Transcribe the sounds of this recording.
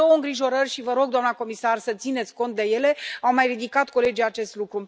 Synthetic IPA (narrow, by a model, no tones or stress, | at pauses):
owəɨŋɡɾiʒo̞ɾərʲʃivəɾo̞ɡ̚d̪oamnako̞misarsət̪sine̞t̪sʲko̞nt̪̚d̪e̞je̞le̞awmajrid̪ikat̪ko̞le̞d͡ʒijat͡ʃe̞st̪lukɾu